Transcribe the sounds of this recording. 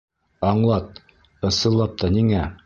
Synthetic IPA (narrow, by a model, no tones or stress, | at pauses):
ɑɴlˠɑt̪̚ | ɤ̆sɤ̆lˠːɑp̚t̪ɑniŋæ